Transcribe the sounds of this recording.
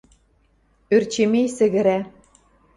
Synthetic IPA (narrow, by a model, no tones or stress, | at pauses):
ørt͡ɕemejsɘ̆ɣɘ̆ɾæ